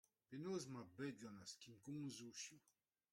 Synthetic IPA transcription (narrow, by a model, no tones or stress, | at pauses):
penozmabɛɡanaskimkũŋzuʃju